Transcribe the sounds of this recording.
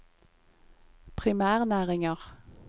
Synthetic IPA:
pʰʁɪmæːʁnæːʁɪŋəʁ

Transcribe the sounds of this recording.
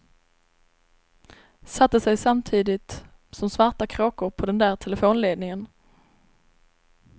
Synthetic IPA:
sat̪ːəsɛjsamt̪ʰiːd̪ɪt̪ | sɔmsvaɾʈakʰɾɑːkʊɾpʰɔd̪ɛnd̪æːɾt̪ʰɛləfoːnleːd̪nɪŋən

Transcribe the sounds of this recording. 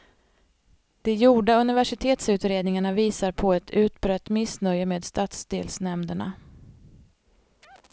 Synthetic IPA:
d̪̥ɛjuːɖaɵnɪvæʂɪt̪ʰeːt̪sʉ̟ːt̪ɾeːd̪nɪŋaɳaviːsaɾpʰɔɛt̪ʰʉ̟ːt̪bɾœt̪ːmɪsnœjːəmeːd̪st̪aːt̪sd̪eːlsnɛmd̪əɳa̰

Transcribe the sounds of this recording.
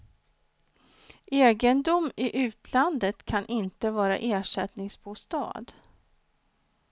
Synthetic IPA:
ʔeːɡənd̪ʊmɪʔʉ̟ːt̪ʰland̪ət̪kʰanʔɪnt̪əvɑːɾa̰ʔeːʂɛt̪nɪŋsbuːst̪ɑ̰ːd̪

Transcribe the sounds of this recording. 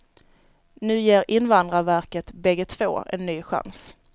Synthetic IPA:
nʉ̟ːjeːɾʔɪnvand̪ɾavæɾkət̪bɛɡːət̪ʰv̥o̰ːɛ̰nːyːɧa̰ns

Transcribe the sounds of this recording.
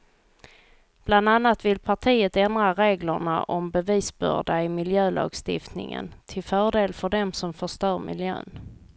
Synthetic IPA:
b̥land̪anːat̪vɪlpʰaʈʰiːət̪ɛnd̪ɾaɾeːɡləɳa̰ʔɔmbɛviːsbœ̰ɖaɪmɪljøːlʔɑ̰ːɡst̪ɪ̰ft̪nɪ̰ŋə̰nt̪ʰɪlfœːɖeːlfœɖɛmsɔmfœʂt̪œːɾmʔɪ̰ljø̰ːn

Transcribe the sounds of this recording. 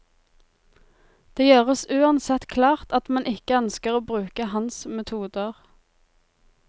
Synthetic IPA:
d̪̥eːjøːʁəsʉːɑnsɛt̪kʰlɑːʁt̪ɑt̪mɛnʔɪkəœnskəʁoːbʁʉːkəhɑnsmɛt̪ʰuːd̪əʁ

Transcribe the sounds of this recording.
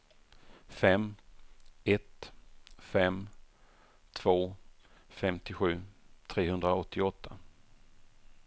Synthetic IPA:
fɛmː | ɛt̪ | fɛm | t̪ʰv̥oːfɛmt̪ɪɧʉ̟ːt̪ʰɾeːɦɵnd̪ɾaɔt̪ʰːɪɔt̪ʰːa

